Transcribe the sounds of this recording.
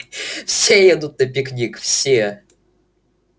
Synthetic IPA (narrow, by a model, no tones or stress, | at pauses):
fsʲejɛd̪ut̪̚nəpʲɪknʲikfsʲe